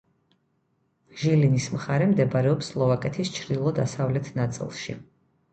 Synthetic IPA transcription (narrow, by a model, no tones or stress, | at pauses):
ʒilinismχaɾɛmd̪ɛbaɾɛɔpslˠɔvakʼɛt̪ʰist͡ʃʰɾd̪ilˠɔd̪asavlɛt̪ʰnat̪sʼḭlˠʃḭ